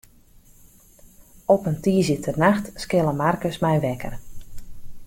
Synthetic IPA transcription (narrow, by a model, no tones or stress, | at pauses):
ɔpəntiːzjətʰərnaxtskɪlˠəmarkəsmɛjʋɛkə̰r